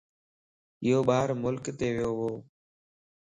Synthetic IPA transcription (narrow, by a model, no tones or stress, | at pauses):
ɪːɦoːɓaːɾmʊlkt̪eːʋɪjoːɦoː